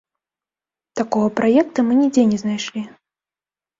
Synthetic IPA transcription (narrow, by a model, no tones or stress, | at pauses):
t̪akɔɣɐpɾajɛk̚t̪ɐmɨnʲid͡zʲɛnʲɛznajʂlʲi